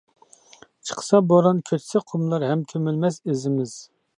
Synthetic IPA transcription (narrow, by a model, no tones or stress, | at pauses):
t͡ʃʰə̥qʰə̥sɑboɾɑnkʲʰøt̪ʰsɪqʰʊmlˠɑɾɦɛmt̪ʰømylmɛsezɪmɪz̥